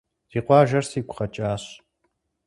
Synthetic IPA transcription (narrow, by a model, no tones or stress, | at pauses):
z̥iːqʷɑːʒɐrsiːkʷʰʼχɐt͡ʃʼaːɕ